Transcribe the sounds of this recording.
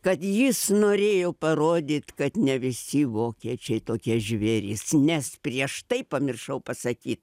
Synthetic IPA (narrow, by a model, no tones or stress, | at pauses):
kɐt̪jɪsnoːɾʲeːjoːpɐroːd̪ʲiːt̪kɐt̪nʲɛʋʲɪsʲɪʋoːkʲieɛt͡ʃʲɛɪt̪oːkʲiɛʒʲʋʲeːɾʲisnʲɛspʲɾʲiɛʃt̪ɐɪpɐmʲɪrʃɐʊpɐsɐkʲiːt̪